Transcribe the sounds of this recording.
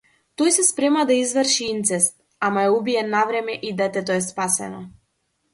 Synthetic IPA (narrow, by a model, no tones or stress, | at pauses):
t̪ɔjsɛspɾɛmad̪aizvəɾʃiint̪sɛst̪ | amaɛubiɛnavɾɛmɛʔid̪ɛt̪ɛt̪ɔɛspasɛ̰nɔ